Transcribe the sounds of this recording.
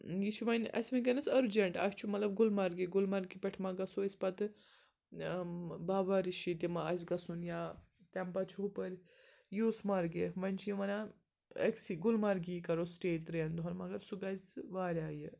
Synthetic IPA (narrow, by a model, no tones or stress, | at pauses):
jiʃʰuʋɐnʲɐ̰sʲmɐkɐnɐsɐɾd͡ʒɐɳʈa̰st͡ʃʰumɐt̪lɐbɡulmɐɾɡiɡulmɐɾɡipʲɐʈʰmɐɡɐsuɐsʲpɐt̪ɨ | baːbaɾiʃit̪ʲimaɐs̬ʲɡɐsunjaː | t̪ʲampɐt͡ʃʰupɐɾʲ | juːsmɐɾɡeʋɐnʲt͡ʃʰijiʋɐna | ɐ̰ksiɡulmɐɾɡikɐɾosʈeːt̪ɾɐjɐnd̪uɦɐnmɐɡɐɾsuɡazt͡sɨʋaːɾʲaːji